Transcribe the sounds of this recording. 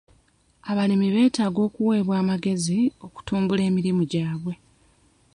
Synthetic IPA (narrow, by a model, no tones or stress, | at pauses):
aβalimiβe̞ːtaːɡo̞ːkuwe̞ːβwaːmaɡe̞zio̞ku̥tuːmbule̞ːmiɾimuɟaːβwe̞